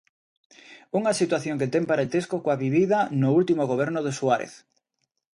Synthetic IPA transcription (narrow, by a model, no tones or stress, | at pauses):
uŋasit̪waθjoŋket̪ɛŋpaɾẽnt̪eskokoaβiβiðanʊult̪imoɣ̞oβ̞ɛɾnʊðesuaɾḛθ